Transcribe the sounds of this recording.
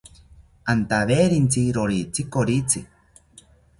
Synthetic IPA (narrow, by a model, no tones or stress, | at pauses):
ant̪aβeɾint͡siɾoɾit͡sikoɾit͡si